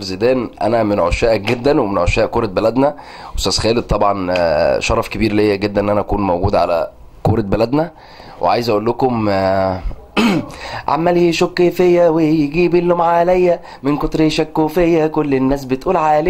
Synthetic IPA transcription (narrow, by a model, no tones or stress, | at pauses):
lzed̪æːnʔæ̰næmenʕoʃæːʔæk̚ɡed̪ːænwemenʕoʃæːʔkoːɾˤɑt̪̚bælæd̪næ | wesæsxæːled̪̚t̪ːˤɑbʕɑnʃɑɾˤɑfkebiːɾlejːæɡed̪ːænʔnːʔænæʔækuːnmowɡuːd̪ʕa̰læ̰ | koːɾˤɑt̪̚bælæd̪næ | wʔḛʕa̰ːjezʔæʔulːokom | ʕa̰mːæljeʃokːefejːæwejɡiːbilːomaʕaːlæjːæ | mɪnkot̪ɾeʃækːoːfejːækolːenːæːs̬bet̪ʔuːlʕaːle